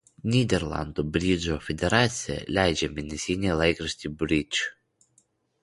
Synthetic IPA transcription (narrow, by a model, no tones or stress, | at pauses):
nʲiːd̪ʲɛɾlˠɑ̰nd̪obʲɾʲid͡ʒoːfʲɛd̪ʲɛɾɑːt̪sʲɪjɛ̰lʲæˑɪd͡ʒʲɛmʲɪnʲɛsʲinʲelˠɐɪkɾɐsʲt̪ʲibʲɾʲɪt͡ʃ